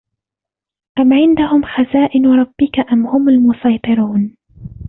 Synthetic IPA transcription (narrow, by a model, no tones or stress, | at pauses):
ʔamʕɪnd̪ahʊmxazaːʔɪnɾˤɑb̥ːɪkaʔamhʊmalmʊsɑjt̪ˤɨɾuːn